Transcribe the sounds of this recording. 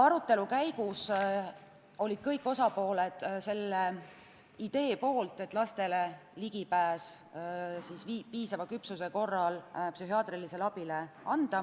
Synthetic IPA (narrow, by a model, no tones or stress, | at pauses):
ɑɾut̪ːˑe̞lukæjɡ̥us | o̞lʲid̪̥kɤjkːˑosɑpo̞ːle̞d̪̥se̞lːe | id̪̥e̞ːpo̞ːlt̪ˑe̞t̪ːˑlɑst̪e̞leliɡ̥ipæːs | sisvipiːsɑvɑkypsuse̞ko̞rːɑlpsyɦiɑːt̪rilise̞lɑb̥ile̞ɑnd̪̥ɑ